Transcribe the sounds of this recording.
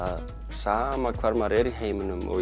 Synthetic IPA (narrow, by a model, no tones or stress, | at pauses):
samakʰfaɾmaɾeɾiɦejminumo̰